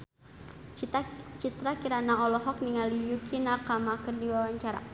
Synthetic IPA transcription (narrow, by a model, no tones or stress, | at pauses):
t͡ʃit̪ɾakiɾanaɔlɔɦɔk̚niŋalijukʰinarkamakɨrdiwawaɲt͡ʃaɾa̰